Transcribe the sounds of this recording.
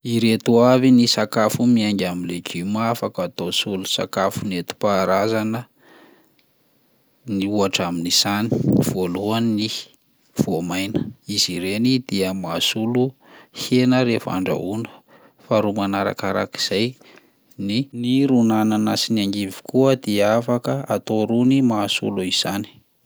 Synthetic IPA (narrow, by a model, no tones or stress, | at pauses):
iɾet̪uavinisakafumiaŋɡʲamilekimafakat̪osulusa̰kafunet̪u̥paɾazanə | niuaʈ͡ʂaminisani̥v̥oluani | v̥uamajnə̥iz̥iɾenid̪̥iəmasulu | henəɾefa̰ɳɖ͡ʐa̰unə̥ | faɾumanaɾa̰kaɾa̰ki̥z̥aj | niniɾunananasinaŋɡivi̥kuəd̪iafakəat̪oɾunimasṵluiz̥ani̥